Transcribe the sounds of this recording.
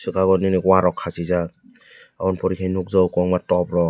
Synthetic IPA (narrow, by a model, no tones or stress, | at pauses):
sɯkʰaɡɔnɯnikwaɾɔkʰːazizak̚ | aɔnpɔɾikʰajnuk̚zɔwkɔŋmatɔbɾɔ